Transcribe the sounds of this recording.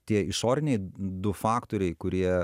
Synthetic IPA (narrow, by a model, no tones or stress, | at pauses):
t̪ʲiɛɪʃoːɾʲɪnʲɛɪd̪ʊfɑːkt̪oːɾʲɛɪkʊɾʲiɛ